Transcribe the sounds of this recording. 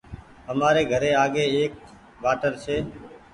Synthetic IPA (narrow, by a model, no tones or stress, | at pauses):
ɦəmaːɾeːɡʱəɾeːaːɠeːeːk̚ | baːʈəɾsʰeː